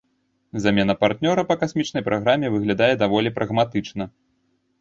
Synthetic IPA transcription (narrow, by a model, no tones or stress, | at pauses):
zamʲɛnɐpart̪nʲɔɾɐpɐkasʲmʲit͡ʂnɐjpɾʔaɣɾamʲɛvɨɣlʲad̪ajɛd̪avɔlʲipɾʔɐɣmat̪ɨt͡ʂnɐ